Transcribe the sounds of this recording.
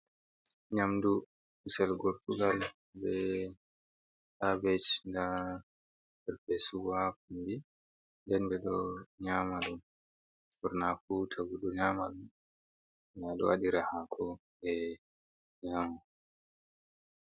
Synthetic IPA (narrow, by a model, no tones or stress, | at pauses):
ɲamdu | usɛlɡɔɾtuɡal | bɛ | ʔabɛt͡ʃnda | ɛɾpɛsuwakundi | ndɛnbɛɗɔɲamaɗɔn | fɔɾnafutʰaɡuɗɔɲaːmaɗun | naɗɔ̰waɗiɾahakʰɔ | ɛ | ɲama